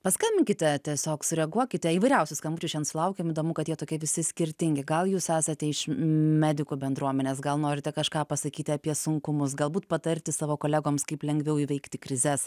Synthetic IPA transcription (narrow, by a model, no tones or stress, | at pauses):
pɐskɐnʲbʲɪŋʲkʲɪt̪ʲɛt̪ʲɛsʲoːksʊɾʲɛɡuɔkʲɪt̪ʲɛiːʋɐɪɾʲɛʊsʲʊskɐmʊt͡ʃʲʊʃʲt͡ʃʲɛnsʊlˠɐʊkʲɛmiːd̪oːmʊkɐt̪jiɛt̪oːkʲɛʋʲɪsʲɪsʲkʲɪɾʲt̪ʲɪŋʲɡʲɪɡɐlˠjuːsæːsɐt̪ʲɛɪʃmʲæːd̪ʲɪkuːbʲɛnd̪ɾuɔmʲɛnʲeːs̬ɡɐlˠnoːɾʲɪt̪ʲɛkɐʃkɑːpɐsɐkʲiːt̪ʲɪɐpʲiɛsʊŋkʊmʊsɡɐlˠbuːt̪pɐt̪ɐɾʲt̪ʲɪsɑːʋoːkoːlʲæːɡoːmskɐɪplʲɛŋʲɡʲʋʲɛʊiːʋʲɛɪkt̪ʲɪkɾʲɪzʲɛs